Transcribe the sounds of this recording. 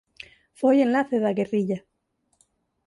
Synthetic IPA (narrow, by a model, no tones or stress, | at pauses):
fojenlaθeðaɣeriʎa